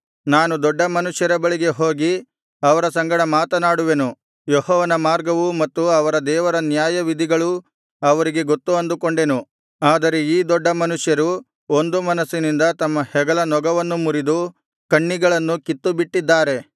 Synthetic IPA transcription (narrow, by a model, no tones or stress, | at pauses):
naːnud̪ɔɖːɐmɐnuʂjɐɾɐbɐɭiɡe̞ɦo̞ːɡi | ɐʋɐɾɐsɐŋɡɐɽɐmaːt̪ɐnaːɽuʋe̞nu | jɔhɔːʋɐnɐmaːɾɡɐʋumɐt̪ːuɐʋɐɾɐd̪ɛːʋɐɾɐnjaːjɐʋid̪ʱiɡɐɭu | ɐʋɐɾiɡe̞ɡot̪ːuɐnd̪ukoɳɖe̞nu | aːd̪ɐɾe̞iːd̪ɔɖːɐmɐnuʂjɐɾu | o̞nd̪umɐnɐsːinind̪ɐt̪ɐmːɐhɛɡɐlɐnɔɡɐʋɐnːumuɾid̪u | kɐɳːiɡɐɭɐnːukit̪ːubiʈːid̪ːaːɾe̞